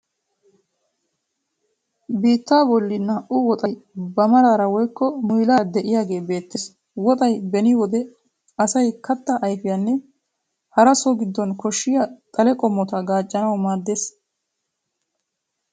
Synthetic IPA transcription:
biːt̪ːaːbɔlːɪnːɐʔʊwɔt̪ʼɐjbɐmɐɾaːɾɐwɔjkːɔmʊjlaːd̪ɛʔɪjaːɡe̞ːbe̞ːt̪ːɪs | wɔt̪ʼɐjbɛnɪwɔd̪ɛ | ɐsɐjkɐt̪ːɐʔɐjfɪjɐnːɛ | hɐɾɐsɔɡɪd̪ːɔnkɔʃːɪjɐt̪ʼɐlɛkʼɔmːɔt̪ɐɡaːt͡ʃʼːɐnɐwmaːd̪ːeːs

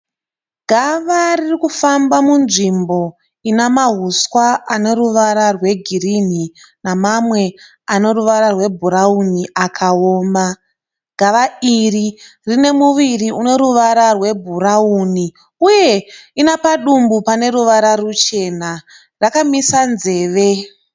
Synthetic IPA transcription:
ɡʱaʋaririkufambamunʐimbo̞ | inamaɦuswaane̞ruʋaɾarwe̞ɡʱirin̤i | namamwe̞ | ano̞ruʋaɾarwe̞bʱuɾauniʔakʰaoːmba | ɡʱaʋairi | rine̞muʋiriuno̞ɾuʋaɾarwe̞bʱuɾauni | uje̞inapaɗumbupane̞ɾuʋaɾarut͡ʃe̞na | rakamisanze̞ːʋe̞

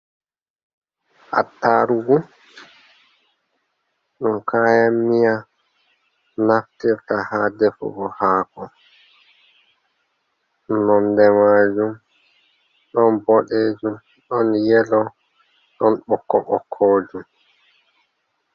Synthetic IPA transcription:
ʔa̰tːaɾuwu | ɗɔnkʰaːjamːija | naftiɾtahadɛfɔ̰ɡɔhaːkɔ | nɔndɛmad͡ʒum | ɗɔnbɔɗed͡ʒum | ɗɔnjɛlɔ | ɗɔnɓɔkːɔʔɔkʰːɔːd͡ʒum

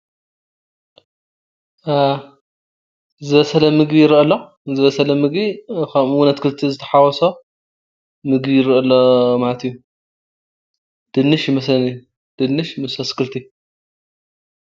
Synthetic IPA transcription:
zɨβɐsɐlɐmɨɡbijɪɾʔɐlːo | zɨβɐsɐlɐmɨɡbikʰɐmwunɐt̪kʰɨlt̪ʰizɨt̪ʰɐ̥ħawɔso | mɨɡbijɪɾʔɐlːomalɐt̪ijːu | d̪̥ɨnːɨʃjɪmɐslɐnij | d̪̥ɨnːɨʃmɨsɐskɨlt̪ʰi

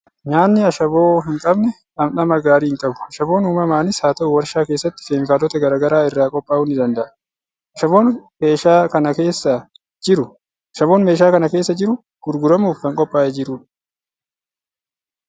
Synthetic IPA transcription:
ɲaːnːɪɐʃɐboːɦɪŋkʼɐbnɛ | ʔɐmnɐmɐɡaːɾiːhɪŋkʼɐbʊ̥ɐʃɐbo̞ːnuːmɐmaːnɪsaːt̪ɐʔʊwɐɾʃaːke̞ːsːɐt̪ːɪ̥feːŋkaːlɔt̪ɐɡɐɾaːɡɐɾaːɪrːaːkʼɔpʼːaːhʊnːɪd̪ɐnd̪ɐʔɐ̥ | ɐʃɐbo̞ːnme̞ːʃaːkɐnɐke̞ːsːɐ | d͡ʒɪɾʊ | ɐʃɐbo̞ːnmeːʃ̬aːkɐnɐkeːsːɐd͡ʒɪɾʊ | ɡ̥ʊɾɡʊɾɐmuːfɐŋkʼɔpʼːaːʔɛd͡ʒɪɾuːᶑɐ̥

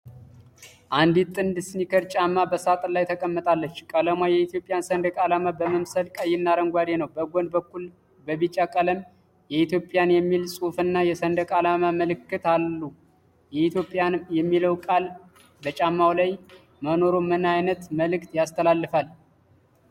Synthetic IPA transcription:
ʔand̪it̪ʼːɨnd̪ɨsnikʰəɾt͡ʃʼamːabəsat̪ʼlajt̪ʰəkʼəmːət̪ʼalːət͡ʃːkʼələmwajɛit̪ʰjo̞pʼɪjansənd̪əkʼalamabəməmsəlkʼəjːɪnːaɾəŋɡʷaɾenəwbəɡʷond̪bəkːul | bəβit͡ʃʼːakʼələm | jɛit̪ʰjo̞pʼjanjɛmːilsʼufɨnːajɛsənd̪əkʼalamaməlɨkːɨt̪alːu | jɛit̪ʰjo̞pʼːjanmjɛmːiləwkʼal | bət͡ʃʼamːawlaj | məno̞ɾomːɨnajnət̪məlɨkt̪jast̪ʰəlalːɨfal

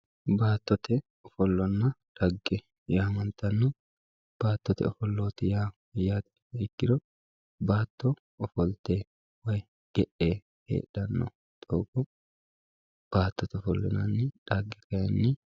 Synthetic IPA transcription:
baːt̪ːɔt̪ɛ | ɔfɔlːɔnːɐᶑɐɡːɛ | jaːmɐnt̪ɐnːɔ | b̥aːt̪ːɔt̪ɛ̰ɔfɔlːoːt̪ɪjaː | jaːt̪ːɪ̥ekːɪd̪ɔ | baːt̪ːɔ | ɔfɔlt̪eː | wɐj | ɡ̥ɛᶑeː | hḛːᶑɐnːɔ̰ | t̪ʼɔːkɔ | b̥aːt̪ːɔt̪ɛɔfɔlːɔ̰nɐnːɪᶑɐɡːɛkɐjɛnːɪ

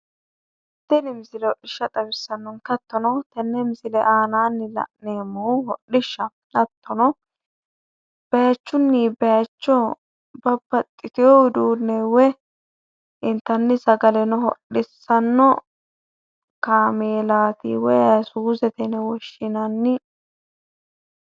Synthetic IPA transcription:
d̪ɛnɪmɪsɪlɛhɔʔɪʃːɐt̪ʼɐbɪsːɐnːɔnkɐt̪ːɔnɔt̪ɛnːɛmɪsɪlɛʔaːnaːnːɪlɐ̰neːmːɔɦɔɗɪʃːɐ | lɐt̪ːɔnɔ | b̥ɛjɐt͡ʃːʊnːibɛjɐt͡ʃːɔ | bɐbːɐt̪ʼːɪkɛɔwɪd̪uːnːɛwɛ | ɪnt̪ːɐnːɪsɐɡɐlɛnɔɦɔ̰ɗːɪsːɐnːɔ | kaːmeːlaːt̪ḭwɔjsuːsɛt̪ɛnɛwɔʃːɪnɐnːɪ

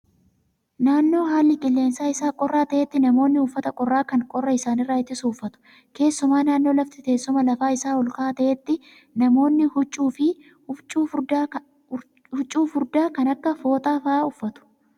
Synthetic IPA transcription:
naːnːo̞ːɦaːlːɪɡɪlːe̞ːnsaːɪsaːkʼɔrːaːt̪ɐʔet̪ːɪnɐmo̞ːnːɪʊfːɐt̪ɐkʼɔrːaːkɐŋkʼɔrːɐɪsaːnɪrːaːɪt̪ːɪsuːʊfːɐt̪ʊ̥ | ke̞ːsːʊmaːnaːnːo̞ːlɐft̪ɪt̪e̞ːsːʊmɐlɐfaːɪsaːɔlkaːt̪ɐʔɛt̪ːɪ | nɐmo̞ːnːɪhʊt͡ʃʼːuːfɪ | ʊt͡ʃʼːuːf | hʊt͡ʃʼːuːfʊɾd̪aːkɐnɐkːɐfo̞ːt̪ʼaːfɐaːʊfːɐt̪ʊ̥

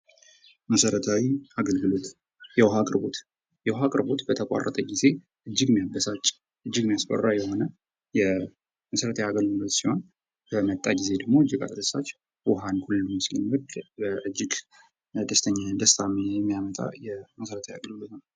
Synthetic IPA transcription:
məsəɾət̪ʰawiʔaɡəlɡɨlo̞t̪ | jɛwɦakʼɨɾbo̞t̪ | jɛwɔɦakʼɨɾbo̞t̪bət̪ʰəkʼa̰rːə̰t̪ʰʼəɡize̞ | ʔɨd͡ʒːɨɡmjabːəsat͡ʃʼː | ʔɨd͡ʒːɨɡmijasbə̰rːajɛho̞nə | jɛ | məsəɾət̪ʰəjaɡəlɡɨlot̪sihon | b̥əmət̪ʼːaɡize̞d̪əɡmo̞ɨd͡ʒːɪɡa̰t̪d̪əsat͡ʃː | wɦankʰulːumɨslɨ̰nwɨd̪bəʔɨd͡ʒːɪɡ | d̪əst̪ʰəɲːad̪əst̪ʰamejɛmːijamət̪ʼa̰jɛməsəɾət̪ʰəja̰ɡəlɡɨlo̞t̪nəw

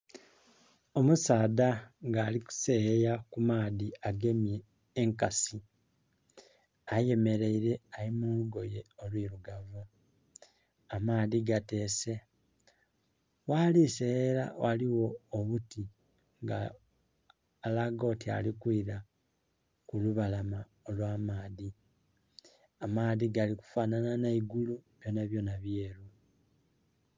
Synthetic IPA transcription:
o̞musaːdaŋɡaːliku̥sejakumaːðiaɡe̞mjeː | ŋkasi | aje̞me̞ɾe̞iɾe̞aɾimuluɡo̞je̞o̞lwiːɾuɡavu | amaːðiɡate̞ːse̞ | waliseeɾa̰wʔaliwo̞ːβuti | ŋɡa̰ | laɡo̞ːtia̰likwiːɾa | kuluβalama | olwaːmaːði | amaːðiɡaliku̥faːnananaiɡuluβjo̞ːnaβjo̞ːnaβje̞ːɾu

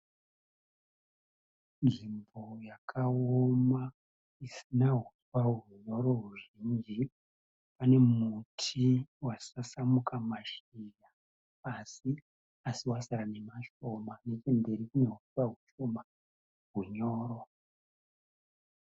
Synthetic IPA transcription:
nʐimbo̞jakʰaoma | isinaɦuswaɦuɲo̞ɾo̞ruʒind͡ʒi | pane̞mutʰiwasasamukʰamaʃijaː | si | asiwasaɾane̞maʃo̞manet͡ʃembe̞ɾikune̞ɦuswaɦuʃo̞ma | ɦuɲo̞ːɾo

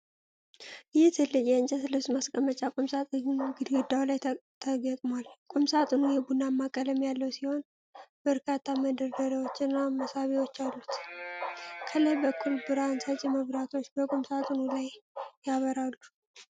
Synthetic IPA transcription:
jɛt̪ʰɨlːɨd͡ʒjɛɨnt͡ʃʼəsɨləsmaskʼəmət͡ʃʼakʼumsat̪ʼɨɡɨd̪ɡɨd̪ːawlajt̪ʰəɡəkʼmwalkʼumsat̪ʼɨnujɛbunamːakʼələmjalːəwsiho̞n | bəɾkʰat̪ʰːaməd̪əɾd̪əɾewo̞t͡ʃːɨnːaməsaβewo̞t͡ʃːalːut̪ | kʰəlajbəkʰːulbɨɾansat͡ʃʼjɛməβɾat̪ʰo̞t͡ʃːbəkʼumsat̪ʼɨnulajːaβəɾalːu

